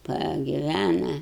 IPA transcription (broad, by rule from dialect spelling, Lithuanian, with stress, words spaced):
pɐɡʲɪˈʋʲænɐ